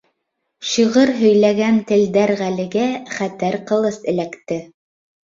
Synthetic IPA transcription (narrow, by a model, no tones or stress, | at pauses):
ʃiʁɤɾɦɵ̆jlæɡænt̪ɘ̆ld̪æɾʁælɘ̆ɡæχæt̪æɾqɤ̆lˠɤsɘ̆lækt̪ɘ